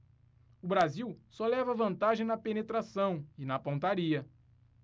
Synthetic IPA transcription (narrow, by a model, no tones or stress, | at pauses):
ʊbɾaziwsɔlɛvɐvɐ̃nt̪aʒẽj̃nɐpenet̪ɾasɐ̃w̃ɪnɐpõnt̪aɾiɐ